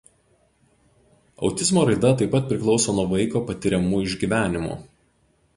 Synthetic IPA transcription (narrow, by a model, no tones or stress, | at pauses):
ɒ̰ʊt̪ʲɪzmoːɾɐɪd̪ɐt̪ɐɪpːɐt̪̚ʲpʲɾʲɪklˠɒʊsoːnuɔʋɐɪkoːpɐt̪ʲɪɾʲɛmuːɪʒʲɡʲiːʋʲæːnʲɪmo̰